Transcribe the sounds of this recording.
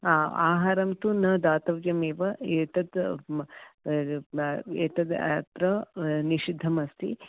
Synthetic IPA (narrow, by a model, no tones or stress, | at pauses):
aːaːɦaːɾɐmt̪unɐd̪aːt̪ɐʋjɐmeːʋɐeːʈ̪ɐd̪ | eːʈ̪ɐd̪a̰t̪ɾɐniʃid̪ʱːɐmɐst̪ḭ